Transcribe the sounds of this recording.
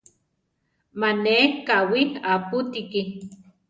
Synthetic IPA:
manekawiaput̪iki

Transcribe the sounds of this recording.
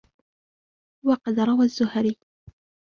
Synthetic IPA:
wɑqɑd̪ɾˤɑwazːʊhɾi

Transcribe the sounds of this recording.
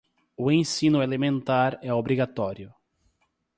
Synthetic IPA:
ʊẽsĩnʊelemẽnt̪aɾɛobɾiɡat̪ɔɾjʊ

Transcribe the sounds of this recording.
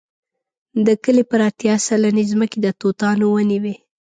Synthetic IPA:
d̪əkəlepəɾat̪jɑsalanizməked̪ət̪ot̪ɑnowəniwe

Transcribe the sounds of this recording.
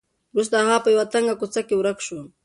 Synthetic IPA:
ɾʊs̬d̪ahaːpajwat̪aŋɢɑkʊt͡sakɪʊɾakʃʊ

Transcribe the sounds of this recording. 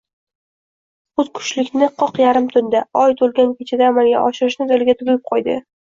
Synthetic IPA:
χʊt̪kʰʊ̥t͡ʃlɪkʲnɪqʰɒqjaɾɪmt̪ʰʊnd̪aɒjt̪ʰolˠɡʲankʲʰet͡ʃʰad̪aːmalɡʲa̰ʔɒʃɪɾɪʃnɪd̪elɪɡʲat̪ʰʊɡjɪp̚qʰɒjd̪ɪ̰

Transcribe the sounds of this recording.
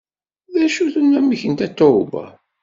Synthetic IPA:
ðæʃuθənːæmːiçənt̪æt̪ːoba̰

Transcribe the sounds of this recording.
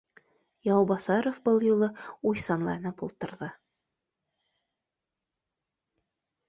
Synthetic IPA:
jɑwbɑθɑɾofbɤlˠjulˠɤujsɑnlˠɑ̰jɤ̆nɤpulˠt̪ɤ̆ɾðɤ

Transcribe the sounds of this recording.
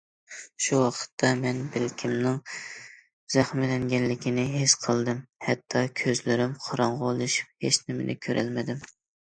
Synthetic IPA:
ʃuwɑqʰə̥t̪ʰːɑmɛnbɪlkʲʰimnɨŋ | z̥æχmɪlɛŋɡʲɛnlɪkʲinɪɦesqʰəlˠd̪ɨmhɛt̪ʰːɑkʲʰøzlɪɾɪmqʰɑɾɑɴʁolˠɨʃu̥p̚het͡ʃnɪmɪ̰nɪ̰kʲʰøɾʔæ̰lmɪd̪ɪm

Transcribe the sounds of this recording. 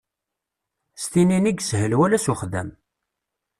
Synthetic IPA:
st̪ininiɡshəlwælæsuχðæ̰m

